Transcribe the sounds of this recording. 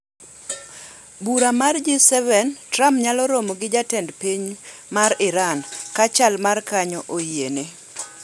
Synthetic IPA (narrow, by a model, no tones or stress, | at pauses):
buɾamard͡ʒisɛvɛntɾampɲalɔɾomɔɡɪd͡ʒatɛndpiɲmaɾɪɾankat͡ʃalmarkaɲɔʔojiene